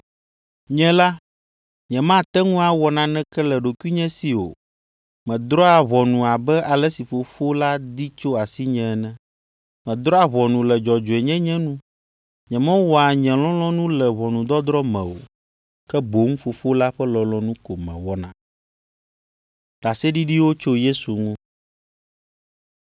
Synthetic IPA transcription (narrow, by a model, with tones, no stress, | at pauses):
ɲɛ̃˦la˦ | ɲɛ̃˨mã˦t̪ɛ˦ŋũ˦a˨wɔ˨nã˨nɛ̃˦kɛ˦lɛ˨ɖo˨ku˦i˦ɲɛ̃˦si˨o̰˨ | mɛ̃˨d̪ɾɔ˦a˨βɔ˨nũ˨a˨bɛ˦a˨lɛ˦si˨fo˨fo˦la˦d̪i˦t͡ʃo˦a˨si˦ɲɛ̃˦ɛ˦nɛ̃˦ | mɛ̃˨d̪ɾɔ˦a˨βɔ˨nũ˨lɛ˨d͡ʒɔ˨d͡ʒo˨ɛ˨ɲɛ̃˦ɲɛ̃˦nũ˦ | ɲɛ̃˨mɛ̃˦wɔ˦a˨ɲɛ̃˨lɔ̃˦l̃ɔ̃˦nũ˦lɛ˨βɔ˨nũ˨d̪ɔ˦d̪ɾɔ˦mɛ̃˨o̰˨ | kɛ˦bo˨˦ŋ˦fo˨fo˦la˦ɸɛ˦lɔ˨lɔ̃˦nũ˦ko˨mɛ̰̃˨wɔ˦nã̰˨ | ɖ̥a˨sɛ˦ɖi˦ɖi˦wo˦t͡ʃo˦je˦su˨ŋũ˦